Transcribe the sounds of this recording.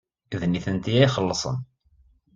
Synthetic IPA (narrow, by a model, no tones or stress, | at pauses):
ðniθənt̪iæiχəlːəsˤə̰n